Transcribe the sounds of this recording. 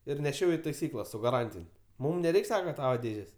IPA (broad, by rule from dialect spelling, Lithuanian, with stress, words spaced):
ɪr nʲɛˈʃʲɛʊ ɪ tɐɪˈsʲiːklˠɐ sʊ ɡɐˈrɐnʲtʲɪnʲ ˈmʊm nʲɛˈrʲɛɪkʲ ˈsɑːkɐ ˈtɑːʋɐ ˈdʲeːʒʲeːsʲ